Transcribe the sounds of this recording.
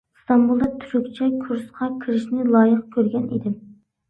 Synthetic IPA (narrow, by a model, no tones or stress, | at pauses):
st̪ɑmbulˠd̪ɑt̪ʰyɾykʲt͡ʃʰɛkʰuɾsqʰɑkʲʰiɾɪʃnɪlˠɑːjəqkʲʰøɾɡʲɛnid̪ɪm